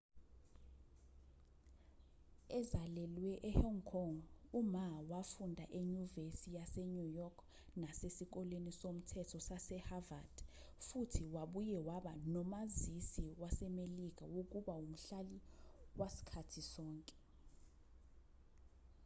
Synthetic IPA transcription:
ɛzalɛlwɛʔɛhɔŋkʰɔŋumawafundʱaʔeɲuvesijaseɲujɔkʰ | nasesik̬ɔlenisom̩tʰɛtʰɔsasɛhavad̥ | futʰiwaɓujɛwaɓanɔmazisiwasɛmelik̬ʼawok̬ʼuɓaum̩ɬaliwasi̥kʰatʰisɔːŋkʼɛ̥

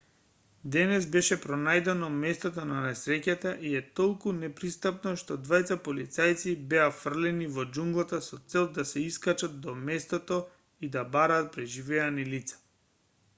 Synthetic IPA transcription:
d̪ɛnɛzbɛʃɛpɾɔnajd̪ɛnɔmɛst̪ot̪ɔnanɛsɾɛcat̪aʔiɛt̪olˠkunɛpɾist̪apnɔʃt̪ɔd̪vajt̪sapolit̪sajt̪sibɛafr̩lɛnivɔd͡ʒuŋɡlˠat̪asɔt̪sɛlˠd̪asɛiskat͡ʃat̪̚d̪ɔmɛst̪ot̪ɔ | id̪abaɾaːt̪̚pɾɛʒivɛanilit̪sḁ

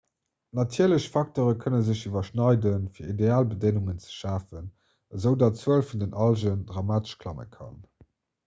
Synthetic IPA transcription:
nɑtʰiːɐləɕfɑk̚toːʁəkʰənəzəʑivɐʃnɑɪdənfiːɐideaːlbədeŋuŋənt͡sə̥ʃaːfən | əzəʊdɑːtt͡səəlfundənɑlʒəndʁɑmaːtə̥ʃkʰlɑmə̰kʰɑ̰n

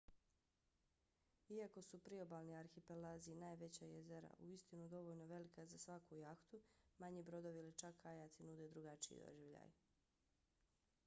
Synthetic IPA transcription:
iako̞supɾiobaːlˠniaɾxipelaːzinaːjʋe̞t͡ɕajezeɾa̰ʔuist̪inud̪o̞ʋoːʎnoʋe̞likazasʋakujaxt̪umaɲiːbɾo̞d̪oʋilit͡ʃakːajat̪sinud̪e̞d̪ɾuɡat͡ʃiḭd̪o̰ʒiʋʎa̰j

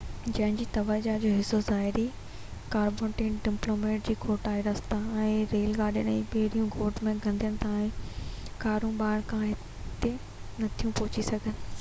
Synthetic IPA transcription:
d͡ʑɐ̃ɦɪ̃nd͡ʑiːt̪ɐʋaːd͡ʑad͡ʑoːɦɪsozaːɦɪɾi | kaːɾbõːʈẽːʈɖɪmploːmeːʈ̚d͡ʑiːkʰoːʈaːiɾɐst̪ãɛ̃ːɾeːlɡaːɗijənɛ̃ːɓeɦɽijũɡoːʈmẽɡʱɐ̃nd̪ijəɽ̃ɪ̆t̪ʰãːɪ̃kaːɾũɓaːɦɪɽ̃kʰãɦɪ | t̪e | nɐt̪ʰijũpɔɦʊt͡ɕisɐɡʱənɪ̆

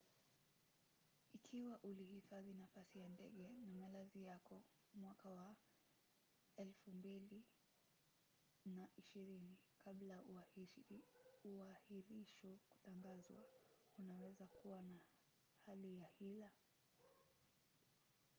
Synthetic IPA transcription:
ikʰiwaʔulihifaðinafasijandɛ̰ɠɛnamalazijakɔ | mwakawa | ɛlfumbili | naʔiʃiɾinikʰaɓlau | uahiɾiʃku̥taŋɡazwa̰unawɛzakuwana | halijahila

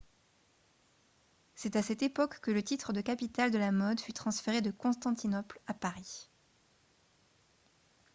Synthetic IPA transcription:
sɛt̪asɛt̪epɔkːələt̪it̪χəd̪əkapit̪ald̪əlamɔd̪fyt̪χɑ̃sfeʁed̪əkɔ̃st̪ɑ̃t̪inɔplapaʁi

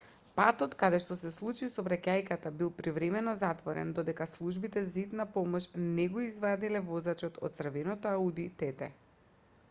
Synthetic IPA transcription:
pat̪ɔt̪kad̪ɛʃt̪ɔsɛslˠut͡ʃisɔbɾacajkat̪abilˠpɾivɾɛmɛnɔzat̪vɔɾɛ̰nd̪ɔd̪ɛkaslˠuʒbit̪ɛzait̪napɔmɔʃnɛɡoizvad̪ilɛvɔzat͡ʃɔt̪ʰɔ̰t̪̚sr̩vɛnɔt̪ɔaud̪it̪ɛt̪ɛ

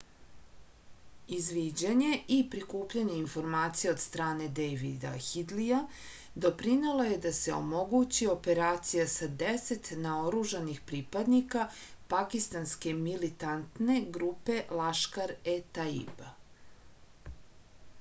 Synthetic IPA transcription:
izʋid͡ʑaɲe̞ʔipɾikuːpʎaɲe̞info̞ɾmaːt̪sijeo̞d̪st̪ɾaːne̞d̪ejʋid̪a̰xid̪lija | d̪o̞pɾinelˠoje̞d̪ase̞o̞̰mo̞ɡut͡ɕio̞pe̞ɾaːt̪sijasad̪ese̞t̪nao̞ɾuʒanixpɾipad̪nika | pakist̪anske̞milit̪ant̪ne̞ɡɾuːpe̞laʃkaɾet̪aḭba

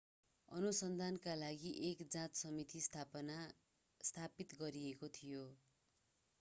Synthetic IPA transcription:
ʌ̰nusʌnd̪ʱankalaɡiʔekd͡zãt̪sʌmit̪ist̪ʰaʌna | st̪ʰapit̪ɡʌɾiekot̪ʰijo

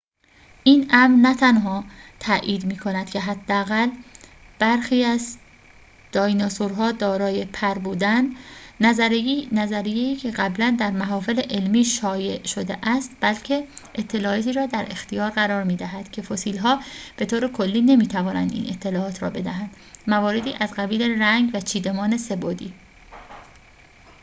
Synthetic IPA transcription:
ʔiːnʔæmɾnæt̪ʰænɦɒːt̪ʰæʔiːd̪miːkʰo̞næd̪̥cʰʲe̞ɦæd̪ːeæɣæl | b̥æɾxiːæz | d̪̥ɒːjnɒsoɾɦɒːd̪ɒːɾɒːjepʰæɾbuːd̪ænːæznæzæɾijeiːcʰe̞ɢæblænd̪æɾmæɦɒːfe̞leʔelmiːʃɒːje̞ʔʃo̞d̪eʔæst̪b̥ælcʰe̞ʔet̪ʰːe̞lɒːʔɒt̪ʰiːɾɒːd̪æɾʔe̞xt̪ijɒːɾɣæɾɒːɾmiːd̪æɦæd̪̥cʰe̞fo̞siːlɦɒːb̥e̞t̪ʰoːɾe̞kʰo̞lːiːne̞miːt̪ʰævɒːnæ̰nd̪ḭːnʔe̞t̪ʰːe̞lɒːɒːt̪ʰɾɒ̰ːbe̞d̪æɦænd̪̥ | mævɒːɾe̞d̪iːʔæzɢæbiːleræŋɡvæt͡ʃʰiːd̪e̞mɒːne̞se̞boːd̪ḭː

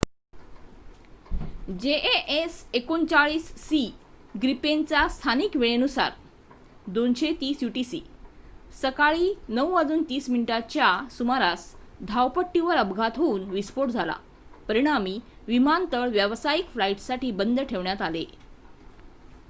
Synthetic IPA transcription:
d͡ʑeʔeʔesekont͡saɭiːsːi | ɡɾipent͡sast̪ʰaniːkʋeɭenusa̰ɾ | d̪onɕet̪iːsjuʈisḭːsəkaɭiːnəwəd͡zuːnt̪iːsminiʈat͡ɕjasumaɾasd̪ʱawpəʈːiʋəɾəbɡʱat̪ɦouːnʋispoʈd͡zʱala̰ | pəɾiɽ̃amiːʋimant̪əɭʋjəʋsajikflaiʈsaʈiːbənd̪əʈʰeʋɳjat̪ale

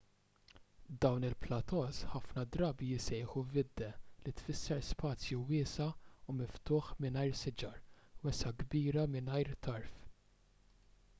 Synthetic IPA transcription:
d̪ɐwnɪlplɐt̪ɔːsħɐfnɐd̪ɾɐːbijɪsɛjħuvɪd̪ːɛlit̪fɪsːɛspɐːt͡sjuwɪːsɐumɪft̪ʊːħmɪnɐjɾsɪd͡ʒɐɾwɛsɐɡbiːɾɐmɪnɐjɾt̪ɐɾf

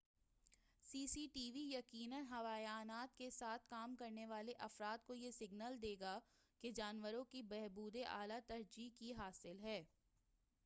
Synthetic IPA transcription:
siːsiːʈiːʋijɐkiːnənɦɐʋaːjaːnaːt̪kesaːt̪ʰkaːmkɐɾneʋaːleʔɐfɾaːt̪̚kojesɪɡnəld̪eːɡa | ked͡ʒaːnʋəɾõkibɛɦbuːd̪eʔaːlat̪ɐɾd͡ʒikiɦaːsɪlɦɛː

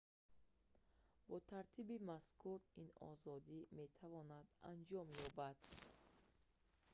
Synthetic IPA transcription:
bɔt̪ʰaɾt̪ʰibimaskʰuɾinɔ̰zɔd̪ime̞t̪ʰavɔnad̪a̰nd͡ʒɔmjɔbad̪̥

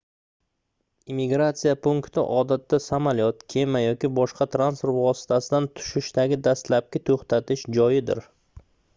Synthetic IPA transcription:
imɪɡɾat̪sijapʰʊŋkt̪ʰɪ̰ʔɒd̪at̪ːasamalijɒt̪̚kʲʰe̞majɒkʲɪbɒʃqɑt̪ʰɾanspoɾt̪vɒsɪ̥t̪ʰasɪd̪ant̪ʰʊ̥ʃɪʃt̪aɡʲɪd̪ast̪lap̚kʲat̪ʰoχt̪ʰat̪ʰɪʃd͡ʒɒjɪd̪ɪ̰ɾ

